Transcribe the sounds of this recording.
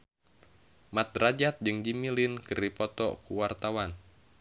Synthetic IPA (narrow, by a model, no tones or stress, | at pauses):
mat̪̚rad͡ʒat̪̚d͡ʒɨŋdimilinkɨripɔt̪ɔ̰kuwart̪awan